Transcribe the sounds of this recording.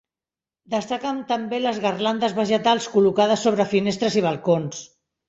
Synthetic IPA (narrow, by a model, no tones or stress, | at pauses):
d̪əst̪əkamt̪əmbeləzɣərland̪əzβəʒət̪alˠskulukað̞əsːoβ̞ɾəfinest̪ɾəziβ̞əlˠkons